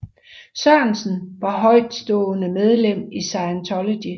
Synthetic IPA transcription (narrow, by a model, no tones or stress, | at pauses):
sɶɐnsn̩ʋɑ̈ɦɒ̽ɪ̰d̥sd̥ɔ̰̽ːnəmeð̞ˠlem̰isɑ̈ɪænt͡sʰɒlod̥i